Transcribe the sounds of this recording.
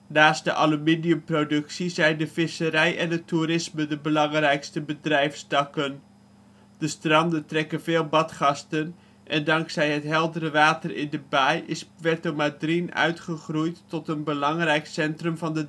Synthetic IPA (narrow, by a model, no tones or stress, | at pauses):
naːst̚dəʔalumidijəmprodɵksizɛjndəvɪsəɾɛjɛndətuɾɪsmədəbəlɑŋrɛjkstəbədrɛjfstɑkən | d̥əstrɑndəntrɛkənvɪːlˠbɑtχɑstən | ʔɛndɑŋksɛjɦətɦɛlˠdəɾəʋaːtərɪ̰ndəbajɪspʋɛɹtomadrinœ̰ɥtχəχrujtːɔtənbəlɑŋrɛjksɛntrɵmvɑndə